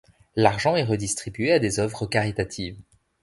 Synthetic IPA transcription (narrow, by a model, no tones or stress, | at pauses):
laʁʒɑ̃ɛʁəd̪ist̪χibɥead̪ezœvʁəkaʁit̪at̪ʰiːv